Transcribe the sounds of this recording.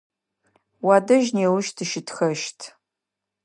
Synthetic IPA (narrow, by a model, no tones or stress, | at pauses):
waːdɐʒneːwʊʃtʰɨʃɪtʰxɐʃtʰ